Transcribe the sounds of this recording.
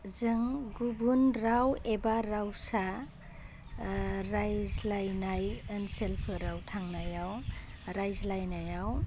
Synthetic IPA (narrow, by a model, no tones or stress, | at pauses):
zɯŋɡubunɾawebaɾawsa | ɾajzlajnajɯnselpʰɯɾawtʰaŋnajawɾajzlajnajaw